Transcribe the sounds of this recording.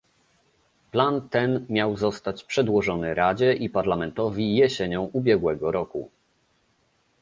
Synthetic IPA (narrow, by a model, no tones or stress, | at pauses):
plant̪ɛnmʲjawzɔst̪at͡ɕpʂɛd̪wɔʐɔnɘɾad͡ʑɛʔipaɾlamɛnt̪ɔvʲijɛɕɛɲɔ̃w̃ʔubʲjɛɡwɛɡɔɾɔkṵ